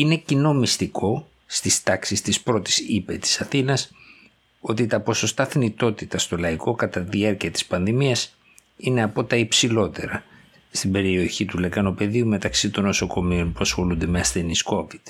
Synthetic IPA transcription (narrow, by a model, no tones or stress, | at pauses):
ine̞cino̞mist̪iko̞ | st̪ist̪ɐksist̪ispɾo̞t̪i̥sipe̞t̪i̥sɐθinɐs | o̞t̪it̪ɐpo̞so̞st̪ɐθnit̪o̞t̪it̪ɐst̪o̞lɐiko̞kɐt̪ɐt̪iðiɐɾciɐt̪i̥spɐnðimiɐs | ine̞ɐpo̞t̪ɐipsilo̞t̪e̞ɾɐ | st̪ibe̞ɾio̞çit̪ule̞kɐno̞pe̞ðiume̞t̪ɐksit̪o̞nːo̞so̞ko̞mio̞npuɐsxo̞lund̪e̞meɐsθe̞nisko̞vid̪̥